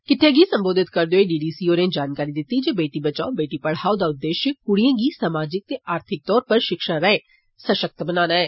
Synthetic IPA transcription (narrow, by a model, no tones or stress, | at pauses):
kɪʈʰːẽːɡiːsə̃mboːd̪ɪt̪kəɾd̪eoːeɖiːɖiːsiːoːɾẽːd͡ʒaːnkaːɾid̪ɪt̪ːid͡ʒeːbeːʈibət͡ʃaːõbeːʈipəɽ̤ɦaːod̪aːʊd̪ːeːʃjəkʊɽijãːɡiːsaːmaːd͡ʒɪk̚t̪eːʔaːɾt̪ʰɪk̚t̪ɔːɾpəɾʃɪkʃaɾɛ̃ẽ | səʃək̚t̪bənaːnaːɛː